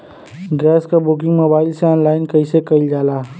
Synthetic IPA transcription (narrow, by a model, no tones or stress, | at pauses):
ɡɛːskabʊk̬ɪ̃ŋɡmoːbaːɪlseɔ̃ːnlaːɪnkəisekəɪld͡ʒaːlaː